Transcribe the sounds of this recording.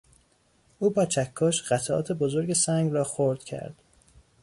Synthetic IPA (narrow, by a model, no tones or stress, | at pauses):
ʔuːbɒːt͡ʃʰækʰːɒːʃɢæt̪ʰæʔɒ̰ːt̪ʰe̞bozoɾɟe̞sæŋɡɾɒːxoɾd̪̥cʰæ̰ɾd̪̥